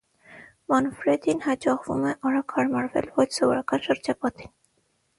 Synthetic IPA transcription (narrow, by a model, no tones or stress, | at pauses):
mɑnfɾɛd̪inhɑt͡ʃɑχvṵmɛʔɑɾɑkhɑɾmɑɾvɛ̰lvɔt͡ʃʰsɔvɔɾɑkɑnʃəɾd͡ʒɑpɑt̪in